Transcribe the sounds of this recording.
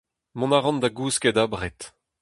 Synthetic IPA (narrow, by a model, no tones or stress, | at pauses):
mɔ̃naʁɑ̃nd̪aɡuːskɛd̪abʁɛt̪